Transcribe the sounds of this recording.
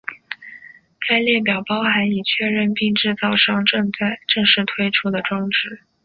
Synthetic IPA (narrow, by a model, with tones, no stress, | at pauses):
ka˥ɪljɛ˥˩p̬jɑ˨˩ʊpɑ˥ʊxa˧˥ɪi˨˩t͡ɕʰɥɛ˥˧ɻə˥˧npi˥˧ŋʈ͡ʂɻ̩˥˧t͡sɑ˥˧ʊʂɑ˥˧ŋʈ͡ʂɤ˥˧ŋt͡sa˥˧ɪʈ͡ʂɤ˥˧ŋʂɻ̩˥˩t̪ʰwe˥ɪʈ͡ʂʰu˥d̪ə˨ʈ͡ʂwɑ˥ŋʈ͡ʂɻ̩˧˥˦